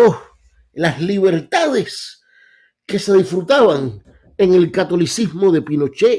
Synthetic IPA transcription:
o | lasliβe̞ɾt̪aðe̞s | ke̞se̞ðisfɾut̪aβaŋ | e̞ŋe̞lkat̪o̞lisizmo̞ðe̞pino̞t͡ʃe

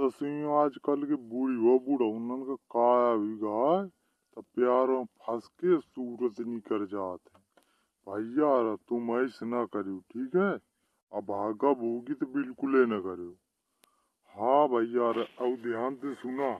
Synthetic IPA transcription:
t̪ɐsijõaːd͡ʒkəlkebʊɽiabʊɽaʊnənkakaːjabʱiɡaːe | t̪ɐpjaːɾãpʰɐskesuːɾət̪nikəɾd͡ʒaːt̪ɦɛ̃ | bʱəjaːɾat̪ʊməɪsnakəɾeoʈʰiːkɦɛ | abʱaːɡaboːɡit̪ebɪlkʊlenɐkəɾeoː | hãːbʱəijaːɾaɐud̪ʱjaːnt̪esʊnaː

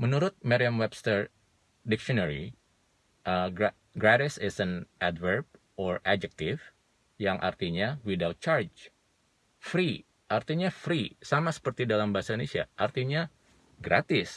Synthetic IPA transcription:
mənuɾʊt̪̚maɾiamwɛbst̪ər | dɪkʃiɔnaɾḭ | ʔə | ɡɾaɾɪsɪsɛnʔadvərb̚ | ɔrad͡ʒɛk̚t̪ɪf | jaŋʔa̰rt̪iɲawidalt͡ʃard͡ʒ | fɾi | ʔart̪iɲafɾisamasə̥pərt̪idalambaɦasainesia̰ʔart̪iɲa | ɡɾat̪ɪs

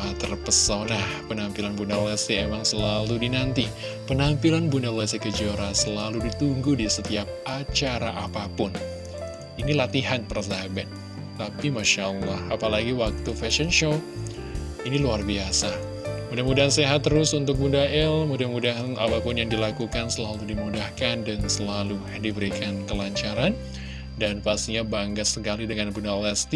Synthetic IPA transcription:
at̪ərpəsawnahpənampilanbundalɛseemaŋsəlaludinant̪i | pənampilanbundalesikəd͡ʒoɾasəlaludit̪uŋɡudisət̪iap̚ʔat͡ʃaɾa̰ʔapapʊn | inilat̪iɦanpərzabɛt̪ː | apimaʃaʔəlːahapalaɡiwak̚t̪ufɛsɔnʃo | iniluarbiasa | mudahmudaɦanseɦat̪ːəɾʊsunt̪ʊk̚bundaʔɛlmudahmudaɦana̰papʊnjaŋdilakukansəlaludimudahkandansəlalu | dibəɾikʰankəlaɲt͡ʃaɾan | danpast̪iɲabaŋɡasəkalidəŋanbundalɛst̪i

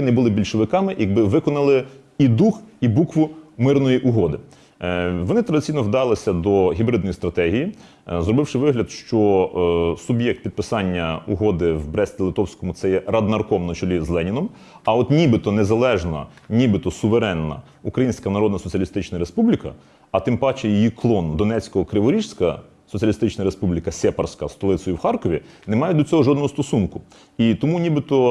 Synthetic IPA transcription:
nɛbʊlˠɪbʲilʲʃɪʋɪkɑmɪjɐɡ̚bɪʋɪkɔnɐlˠɪ | id̪uxibukʋʊmɪrnɔjiʔʊɦɔd̪ɪ | ʋɔnɪt̪ɾɐd̪ɪtt͡sʲijnɔʋd̪ɑlˠɪsʲɐd̪ɔɦʲibɾɪd̪nɔjist̪ɾɐt̪ɛɦʲiji | zrɔbɪwʃɪʋɪɦlʲɐd̪ʃt͡ʃɔ | sʊbjɛk̚t̪̚pʲid̪̚pɪsɑnʲːɐʊɦɔd̪ɪʋbɾɛsʲt̪ʲɪlˠɪt̪ɔwsʲkɔmʊtsɛjɛɾɐd̪nɐrkɔmnɐt͡ʃɔlʲizlˠɛnʲinɔm | ɐɔt̪nʲibɪt̪ɔnezɐlˠɛʒnɐ̰ | nʲibɪt̪ɔsʊʋeɾɛnːɐ̰ | ukɾɐjinʲsʲkɐnɐɾɔd̪nɐsɔt͡sʲiɐlʲist̪ɪt͡ʃnɐɾespublʲikɐ̰ | ɐt̪ɪmpɑt͡ʃejijiklˠɔnd̪ɔnɛt͡sʲkɔɦɔkɾɪʋɔɾʲiʃsʲkɐ | sɔt͡sʲiɐlʲist̪ɪt͡ʃnɐɾespublʲikɐsʲɛpɐrsʲkɐst̪ɔlˠɪsɔjʊwxɑrkɔʋʲinemɑjɛd̪ɔt͡sʲɔɦɔʒɔd̪nɔɦɔst̪ɔsunkʊ | it̪ɔmunʲibɪt̪ɔ

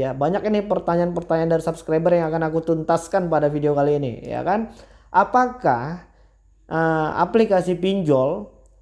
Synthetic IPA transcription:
abaɲakinɪpərt̪aɲaanpərt̪aɲaːndaɾisabskɾajbərjaŋakanakut̪unt̪askanpadafideokaliːnḭja̰kan | ʔapakah | ʔəa̰plikasipiɲd͡ʒɔl

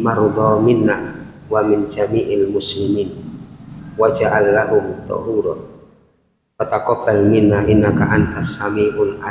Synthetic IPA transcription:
maɾd̪ˤɔmɪnːa | wamɪnd͡ʒamiːʔalmʊslimiːn | wad͡ʒaʔalːaɦʊmt̪ːɔ̰huɾɔ | wat̪akɔbːalmɪnːaʔɪnːakaʔanhasːamiːʔʊnʔa

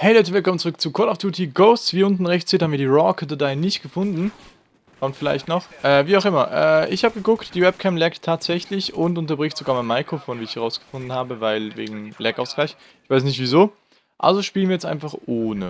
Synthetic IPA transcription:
hɛɪlɔt̬əvɪlkʰɔmənt͡suʁʏkt͡suːkʰɔɐɾaʊfd̥juːtʰiɡoʊst͡sv̥iːɐʔʊntn̩ʁɛçtt͡siːthabmiɐiːʁɔkədədaɪnɪçt̚ɡ̥əfʊndn̩ | kʰɔmtfɪla̰ɪçtnɔχʔɛːviːaʊxɪmɐʔɛ̰ːʔɪçhaːbəɡəɡʊktd̥iːvɛp̚kʰɛmplɛktʰːaːtz̥ɛçlɪçʊntʔʊntɐbʁɪçtz̥oɡaːɐmaɪnmaɪkʁofoːnviːɪçhɛʁaʊsɡ̥ə̥fʊndn̩haːbəvaɪlvḛːɡŋ̩lɛkaʊsɡ̥laɪç | ɪçv̥aɪs̬nɪçtv̥iːzoː | ʔa̰lzoʃpiːlənviːɐjɛt͡stʔa̰ɪnfaχʔoːnə

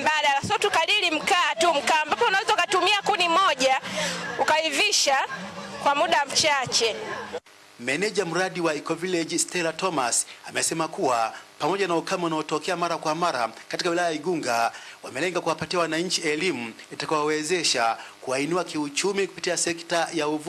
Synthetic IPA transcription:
baɗalasɔtukalilim̩kaːtum̩kaːmbapɔunawɛzaukatumiakunimɔʄaukaiviʃakwamuɗam̩t͡ʃat͡ʃɛ | mɛnɛʄam̩ɾaɗiwaikɔvilɛd͡ʒistɛlatɔmasamɛsɛmakuwapamɔʄanaukamaunaɔtɔkɛamaɾakwamaɾa̰katikawilajajaiɡuŋɡawamɛlɛŋɡakuwapatiawanaɲ̩t͡ʃiɛlimu | itakawawɛzɛʃakuainuakiut͡ʃumiku̥pitiasɛktajauv

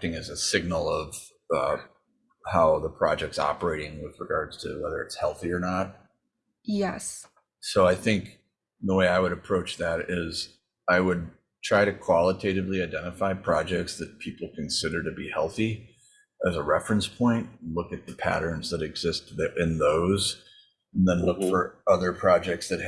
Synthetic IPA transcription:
tɪ̃ŋɨzɨsɪɡ̚nl̩ˠʌv̥ | ʌ̰ | haʊðəpʰɹ̥ɑ̰d͡ʒɛk̚tsɑ̰pə˞eɪɾɪ̃ŋwɪðɹɨɡɑɹdz̥tʰɨ̰wɛðə˞ɨtshɛlˠθiə˞nət̚ | jɛs | soʊaɪθɪ̃ŋk | ðəweɪaɪwɨɾɨpʰɹ̥oʊt͡ʃðɨɾɪz | aɪwɨd̚ | tʰɹ̥aɪɾɨkʰw̥ɑlˠətʰeɪɾɨvliaɪdɛ̃ɾ̃ɨfaɪpʰɹ̥ɑd͡ʒɛk̚tsðɨt̚pʰipl̩ˠkʰɨ̃nsɪɾə˞ɾɨbihɛ̰lˠθi | ʔɨzəɹɛfɹɨ̃nspʰɔ̃ɪ̃ntlʊkɨt̪̚ðəpʰæ̰ɾə̃˞nzðɨɾɨɡz̥ɪst̚ðʔɪ̃nðoʊz | n̩ðɨ̃nlʊkfə˞ʌðə˞pʰɹ̥ɑd͡ʒɛk̚tsðɨt̚

